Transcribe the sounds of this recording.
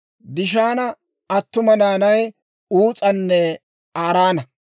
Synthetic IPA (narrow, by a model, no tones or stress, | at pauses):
d̪ɪʃaːnɐ | ɐt̪ːʊmɐnaːnɐj | uːt͡sʼɐnːɛ | aːɾaːnɐ